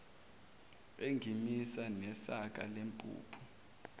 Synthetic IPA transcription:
eŋɡʱimisanɛsakʼa̰lempʼṵːpʰu̥

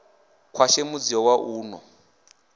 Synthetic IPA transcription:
kʰwaʃemud͡ziɔwaʔuːnɔ̰

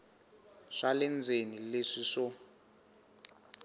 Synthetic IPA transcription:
ʂalɛnd͡zʱenileʂiʂɔ

